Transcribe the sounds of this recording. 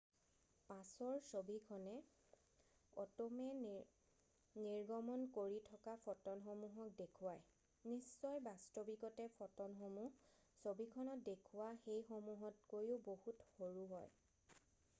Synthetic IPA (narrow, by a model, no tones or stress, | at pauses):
pãsɔɹsobikʰɔnɛ | ɔtɔmɛ | niɹɡɔmɔnkoɹitʰɔkapʰɔtɔnxomuɦɔk̚dekʰuwaj | nisːɔjbastobikɔtɛpʰɔtɔnxomusobikʰɔnɔt̚dekʰʊwaxejxomuɦɔtkojʊbohutxoɹuɦɔj